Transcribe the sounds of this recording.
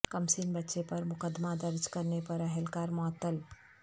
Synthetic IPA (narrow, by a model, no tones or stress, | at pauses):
kəmsinbətːʃepəɾmʊkəd̪mad̪əɾd͡ʒkəɾnepəɾəɦelkaːɾmɔt̪ːəl